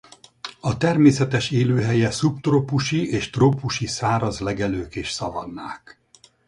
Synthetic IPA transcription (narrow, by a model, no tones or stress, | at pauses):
ɒt̪ɛrmeːsɛt̪ɛʃeːløːɦɛjɛsupt̪roːpuʃieːʃt̪roːpuʃisaːɾɒzlɛɡɛløːkeːʃsɒvɒ̰d̪ːaːk